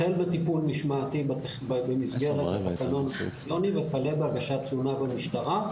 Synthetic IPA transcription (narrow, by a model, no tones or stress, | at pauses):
elbet̪ipulniʃmaːt̪ib | bemizɡeʁeatakano̞nlo̞nivepalebeaɡaʃat͡sunabamiʃtaʁa